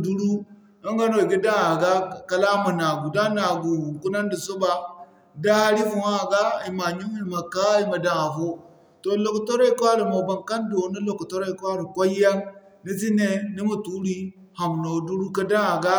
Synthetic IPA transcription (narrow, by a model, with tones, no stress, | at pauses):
du˦ɾu˦ | a˦ŋɡa˦no˨i˨ɡi˦da˦ŋa˨ɡa˦ka˨la˦ma˨na˨ɡu˨da˦na˨ɡu˨u˨ku˦na˦n˦di˨so˦ba˨ | da˦a˦ɾi˦vu˨ŋa˦˨ɡa˦i˨ma˨ɲi˦ŋ˦i˦˨ma˨ka˦i˦ma˨da˨ŋa˨fo˦ | to˨lo˨kto˦ɾo˦i˦˨ko˦a˦ɾi˨mo˨ba˨ŋka˦ndo˨˦ni˦lo˨ku˨to˦ɾa˦i˨ka˦ɾi˨ko˦ja˦ŋ | ni˦zi˦ne˦ni˦mu˨tu˦ɾi˦ | ha˨mno˨du˦ɾu˦ka˦da˦ŋa˨ɡa˦